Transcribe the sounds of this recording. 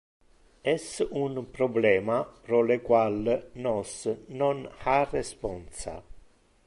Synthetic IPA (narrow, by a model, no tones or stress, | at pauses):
ɛsunpɾɔblɛːmapɾɔlekwalnɔsnɔnarːespɔnsa̰